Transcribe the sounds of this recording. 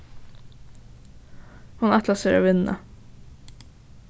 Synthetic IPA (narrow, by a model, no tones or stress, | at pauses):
hʊnɛt̪ʰlɑseːɾo̰ːʋɪnə̰